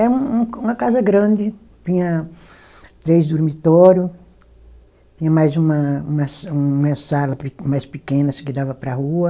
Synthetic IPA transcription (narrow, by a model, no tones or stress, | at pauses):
ɛɐũũũmɐkazɐɡɾɐ̃d̪ɪ | t̪ĩɲɐ | t̪ɾejzd̪oɾmit̪ɔɾjʊ | t̪ĩɲɐmajzũmɐũmɐsũmɐsalɐpmajspikẽnɐskɪd̪avɐpɾɐhuɐ